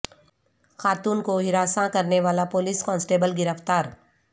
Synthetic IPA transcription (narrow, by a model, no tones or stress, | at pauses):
xaːt̪uːnkoɦɪɾaːsãkɐɾneʋaːlapoliːskɔ̃ːnsʈeːbəlɡɪɾəft̪aːɾ